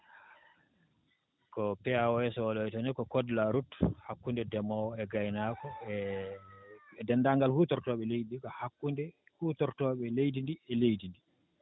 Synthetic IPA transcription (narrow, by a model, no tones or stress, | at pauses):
kɔpɛawɔɛsɔwalɔjtanikɔkɔdlaɾuthakːundɛdɛmɔwɔɛɡajnaːkɔɛ | ɛdɛndaŋɡalhutɔɾtɔːɓɛlejdikɔhakːundɛ | hutɔɾtɔɓɛlejdindiɛlejdindi